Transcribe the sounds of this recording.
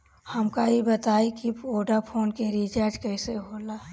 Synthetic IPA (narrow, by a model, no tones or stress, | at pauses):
həmkaɦibət̪aːikioːɖapʰoːnkeɾit͡ʃaːɾd͡ʒkəɦseɦolaɦ